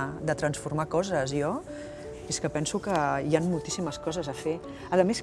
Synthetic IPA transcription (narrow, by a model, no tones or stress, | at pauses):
d̪ət̪ɾənsfuɾmakɔzəziɔ | eskəpɛnsukəjanmulˠt̪i̥siməskɔzəzəfe | əðəmes